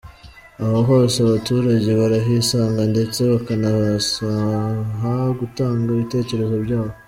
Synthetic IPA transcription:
ahoɦoseaβatuːɾaɟe̞βaɾaɦisaːŋɡande̞t͡se̞βakanasaɦaɡutaːŋɡaiβite̞ːce̞ɾe̞zo̞ɾɟaːβo

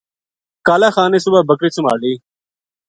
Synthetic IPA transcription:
kaːlaːxaːneːsʊbaːbəkɾiːt͡ʃʊma̰ːɽiː

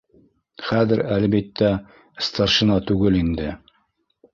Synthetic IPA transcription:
χæðɘɾælβit̪ːæ | st̪ɑɾʃɤ̆nɑt̪ʉɡɘlind̪ɘ

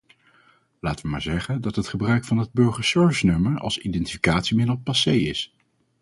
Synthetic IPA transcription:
laːtəʋəma̰ːɹzɛχəndɑtɦətχəbrœɥkfɑnɦəd̚bɵɹχəɹsøɹvɪsnɵməɹɑ̰lˠsindɛntifi̥kaːtsimɪdəl̩ˠpɑsejɪs

